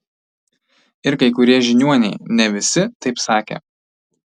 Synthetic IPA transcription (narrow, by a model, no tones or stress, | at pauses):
ɪɾkɐɪkʊɾʲiɛʒʲɪnʲuɔnʲɛɪnʲɛʋʲɪsʲɪt̪ɐɪpsɑːkʲḛː